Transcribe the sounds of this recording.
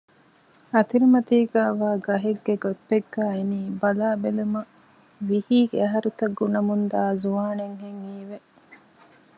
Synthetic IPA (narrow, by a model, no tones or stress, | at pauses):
ɐt̪iɾimɐt̪iːɡæːʋaːɡɐɦeɡːeɡopːeɡːæːeniːbɐlaːbelumɐ | ʋihiːɡḛɐɦɐɾut̪ɐɡːunɐmund̪aːzuʋaːneŋɦeŋiːʋe